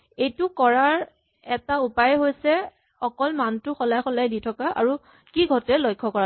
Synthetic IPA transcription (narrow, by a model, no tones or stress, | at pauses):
ejtʊkɔɹaɹ | ɛtaupajɦojsɛ | ɔkɔlmantʊxɔlajxɔlajditʰɔkaʔa̰ɹu | kiɡʱɔtɛlojkʰːɔkɔa